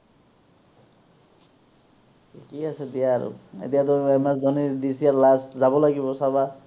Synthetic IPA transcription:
ikiased̪ijaːɾṵḛt̪ijat̪ɔemasdɔnid̪isijaɾlastzabɔlaɡibɔsaba

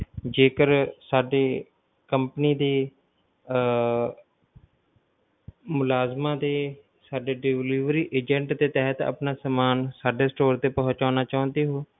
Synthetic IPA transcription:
d͡ʒeːkəɾsaːɖeː | kəmpəniːd̪eː | mʊlaːzmãːd̪eː | saːɖeːɖɪʋliːʋɾiːʔeːd͡ʒə̃ɳʈd̪eːt̪ɛɦət̪ə̰pnãːsəmaːnsaːɖeːsʈoːɾt̪eːpəɦʊt͡ʃaːnaːt͡ʃaːʊ̃nd̪eːɦoː

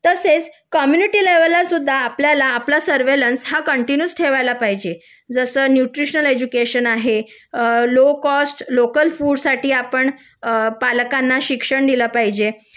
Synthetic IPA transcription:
t̪əset͡s | kɔmjuniʈiːleʋəlasud̪ʱːaːpljalaːplasəɾʋelənsɦakəɳʈinjusʈʰeʋajlapaɦid͡ʑe | d͡zəsəːnjuʈɾiɕnəled͡ʑukeɕənaɦe | lokɔsʈlokəlfuːɽsaʈʰiːapəɳ | paləkanːaɕikʂəɳd̪iləpaɦid͡ʑe

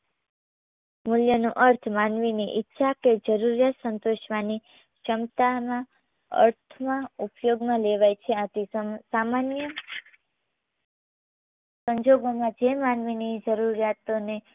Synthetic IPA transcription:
muljənuʔəɾt̪ʰmanʋiniʔitːʃʰaked͡ʒəɾuɾjat̪sənt̪oʃʋani | ʃəmt̪amã | ə̰ɾt̪ʰmãupjoɡmãleʋajt͡ʃʰeãt̪isamanjə | səɲd͡ʒoɡomãd͡ʒemanʋinid͡ʒəɾuɾjat̪one

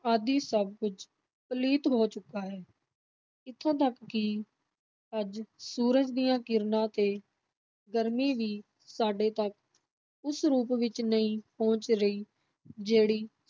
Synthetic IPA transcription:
ad̪iːsəb̚kʊd͡ʒ | pəliːt̪ɦoːt͡ʃʊkːaːɦɛː | ɪt̪ʰːãːt̪əkːɪ | əd͡ʒsuːɾəd͡ʒd̪ɪjãːkɪɾnãːt̪eː | ɡəɾmiːʋiː | saːɖeːt̪ək | ʊsɾuːpʋɪt͡ʃnəĩːpõːt͡ʃɾəiː | d͡ʒeːɽiː

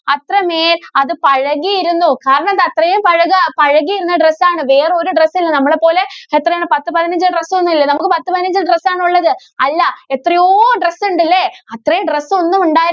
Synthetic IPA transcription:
ɐt̪rɐmeːlɐðɨpɐɻɐɣijiɾunːukaːɾɐɳɐmɐðɨɐt̪rɐjumpɐɻɐɣɐpɐɻɐɣijiɾunːɐɖresːaːɳɨʋe̞ːreo̞ɾuɖresːilːɐnɐmːɐɭepo̞ːle̞et̪ːrɐjaːɳɨpɐt̪ːɨpɐðinɐɲd͡ʑɨɖresːonːumilːɐnɐmukːɨpɐt̪ːɨpɐðinɐɲd͡ʑɨɖresːaːɳuɭːɐðɨ | ɐlːɐet̪ːrɐjoːɖresːuɳɖilːeɐt̪rɐjumɖresːo̞nːumuɳɖaːjɾ

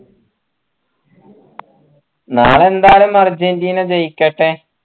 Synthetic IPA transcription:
naːɭe̞nd̪aːlumɐrd͡ʑind̪inɐt͡ɕejkʲːɐʈːe

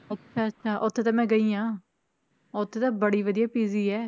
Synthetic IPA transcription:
ətːʃʰaːətːʃʰaːʔʊt̪ʰːeːt̪ãːmɛ̃ːɡəiːãː | ʊt̪ʰːeːt̪ãːbəɽiːʋəd̪ijaːpiːziːɛː

